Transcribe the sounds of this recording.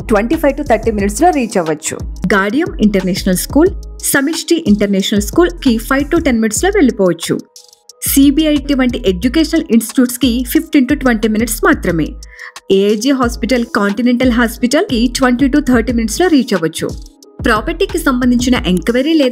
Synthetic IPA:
ʈʋɐɳʈiːpʰɐjʋʈut̪ʰɐɾʈiːminiʈslo̞ːɾiːt͡ʃɛʋɐt͡ʃːṵɡaːɖijɐmiɳʈɐɾneːʃɐnɐlskuːlsɐmiʂʈiʔiɳʈɐɾnɛːʂɐnɐlskuːlkipʰɐjʋʈuʈenminʈslo̞ːʋe̞ɭipɔːʋɐt͡ʃːṵ | siːbiɐjʈiʋɐɳʈiʔed͡ʒukeːʃɐnɐliɳsʈi̥ʈjuːʈskipʰipʈiːnʈuʈʋeɳʈiːminiʈsmaːt̪ɾɐme̞̰ːeːd͡ʒiːɦaːspiʈɐlkaːɳʈineɳʈɐlɦaːspiʈɐlkiʈʋɐɳʈiːʈut̪ʰɐːɾʈiːminiʈslo̞ːɾiːt͡ʃɛʋɐt͡ʃːṵ | pɾaːpɐɾʈiːkisɐmbɐnd̪ʱiɲt͡ʃinɐʔeŋkʋɐɾiːleː

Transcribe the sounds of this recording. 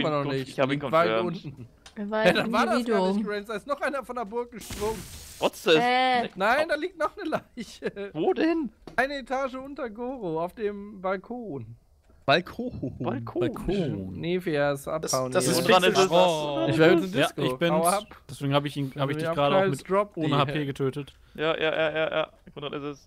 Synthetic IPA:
mɐnɔχnɪçlik̚v̥aɪtʔʔʊntn̩ | ɛdanvaːɐdaɡɪsɡʁɛnsd̥aɪstnɔχʔaɪnɐfɔndeɐbʊɐk̚ɡ̥əʃpʁ̥ʊŋtʁ̥ɔt͡seːnaɪndaːliːk̚tnɔχnəlaɪçəvoːdɛnʔaɪnəetʰaːʒəʊntɐɡoːʁoaʊfd̥eːmbalkʰoːn | b̥alkʰːbalkʰolʰonefeɛsʔa̰paʊndʁanɪsɛsɪçvɛːsɪdjaːskoɪçb̥ɪaʊapd̥ɛsv̥eːɡŋ̩haːbəɪçiːnhaːbɪçd̥ɪçɡʁaːɾəaʊamɪtd̥ʁɔp̚ʔo̥ːnəhaːpeːɡətʰøːtət | jaːjʔa̰ːja̰ːja̰ːja̰ːndʁanɪsɛs

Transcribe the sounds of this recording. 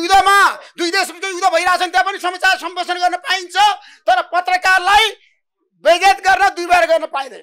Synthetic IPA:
jud̪amad̪ujd̪esbikojud̪abʱʌjɾat͡sʰʌnt̪japʌnisʌmat͡sarsʌmbosʰʌnɡʌrnʌpaint͡sʰʌ | t̪ʌɾʌpʌt̪rʌkarlaj | beɡet̪ɡʌrnʌd̪ujbaɾeɡʌrnʌpaĩd̪ʌj

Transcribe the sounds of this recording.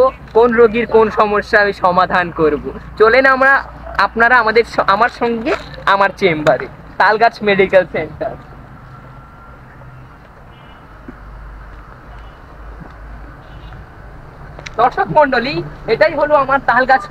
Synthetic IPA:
o | konɾoɡiɾkonʃɔmoʃːamiʃɔmad̪ʱankoɾbot͡ɕolenamɾa | apnaɾaamad̪eɾamaɾʃɔŋɡeamaɾt͡ɕembaɾe | t̪alɡat͡ɕʰmeɖikelseɳʈaɾ | d̪̥ɔɾʃokʰmɔɳɖolieʈajɦoloamaɾt̪alɡat͡ɕʰ

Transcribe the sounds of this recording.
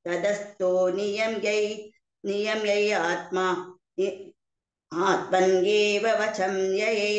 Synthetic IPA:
ɐd̪ɐst̪oːnijɐmjɐj | nijɐmjɐjaːt̪̚maː | i | aːt̪̚mɐnɡeːʋɐʋɐt͡ʃʰɐmjɐjeː

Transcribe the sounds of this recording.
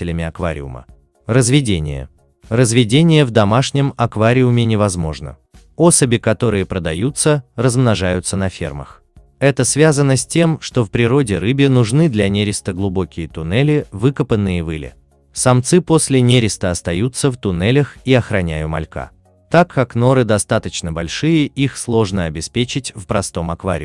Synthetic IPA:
ɪlʲɪmʲɪɐkva̰ɾʲɪ̰ʊ̰mə̰ | rəzvʲɪdʲenʲɪ̰jə̰ | rəzvʲɪdʲenʲɪjəvd̪ɐmaʂnʲɪmɐkvaɾʲɪʊmʲɪnʲɪvɐzmo̞̰ʐnə̰ | o̞səbʲɪkɐt̪o̞ɾɨjəpɾəd̪ɐjut̪sərəzmnɐʐajʊt̪sənɐfʲe̞̰rmə̰x | ɛt̪əsvʲazənəsʲtʲe̞mʂt̪o̞fpɾʲɪɾo̞dʲɪɾɨbʲɪnʊʐnɨd̪lʲɐnʲeɾʲɪst̪əɡlˠʊbo̞kʲɪjət̪ʊnɛlʲɪvɨkəpənːɨjəvɨlʲɪ̰ | sɐmt̪sɨpo̞sʲlʲɪnʲeɾʲɪst̪əɐst̪ɐjut̪sːəft̪ʊnɛlʲəxiɐxɾɐnʲæjʊmɐ̰lʲka̰ | t̪akʰːakno̞ɾɨd̪ɐst̪at̪ət͡ɕnəbɐlʲʂɨjɪʔixslˠo̞ʐnəɐbʲɪspʲet͡ɕɪtʲfpɾɐst̪o̞mɐkva̰ɾʲɪ̰

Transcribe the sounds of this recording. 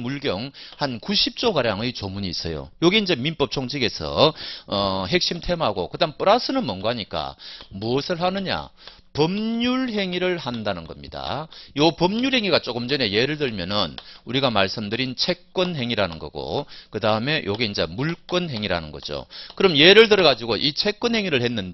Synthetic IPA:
muɭɡjʌŋhankuɕʰip̚t͡ɕ͈okaɾjaŋɯjt͡ɕʌmuɲiːs͈ʌjo̰jʌɡiːnd͡ʑe̞minp͈ʌp̚t͡ɕʰoŋd͡ʑʰiɡe̞sʰʌ̰ʌɦe̞k̚ɕ͈imtʰe̞mɦaɡo̰kɯdaŋp͈ɯɾas͈ʰɯnɯnmʌnɡoɦaɲik͈a̰muʌsʰɯɭɦanɯɲa̰ | pʌmɲuɭɦe̞ŋiɾɯɭhandanɯnɡʌmɲida̰jʌpʌmɲuɭhe̞ŋiɡat͡ɕ͈oɡɯmd͡ʑʌne̞je̞ɾɯɭtɯɭmjʌnɯnuɾiɡamaɭs͈ɯmdɯɾint͡ɕʰe̞k͈ʌnɦe̞ŋiɾanɯnɡʌ̰ɡo̰kɯdaɯme̞jʔoɡiind͡ʑe̞muɭk͈ʌnɦe̞ŋiɾa̰nɯnɡʌ̰d͡ʑo̰kɯɾʌmjeɾɯɭt̬ɯɾʌɣad͡ʑiɡoʔit͡ɕʰe̞k͈ʌnɦe̞ŋiɾɯɭhenːɯn

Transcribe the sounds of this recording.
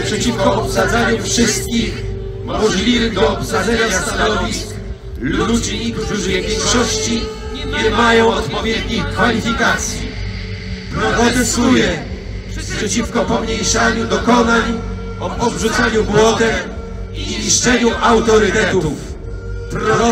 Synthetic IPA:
pʂɛt͡ɕifkɔɔpsad̪zaɲufʂɘst̪̚kʲix | mɔʐlʲivɘd̪ɔɔpsad̪zɛɲast̪anɔvʲisk | lud͡ʑkt̪uʐɘvʲjɛŋkʂɔɕt͡ɕi | ɲɛmajɔ̃w̃ɔt̪pɔvʲjɛd̪ɲixkfalʲifʲikat̪sʲji | pɾɔɾɔd̪ɛsujɛ | pʂɛpʂɛt͡ɕifkɔpɔmɲejʂaɲud̪ɔkɔnaɲ | ɔbʐut̪saɲubwɔd̪ɛ | iɲiʂt͡ʂɛɲuʔawt̪ɔɾɘt̪ɛt̪uf | pɾɔɔ

